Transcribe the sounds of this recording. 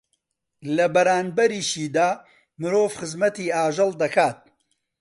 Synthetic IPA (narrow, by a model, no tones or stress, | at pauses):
lɐbɐɾaːnbɐɾiːʃiːd̪aː | mɨɾoːvxɨzmɐt̪iːaːʒɨlˠd̪ɐkaːt̪̚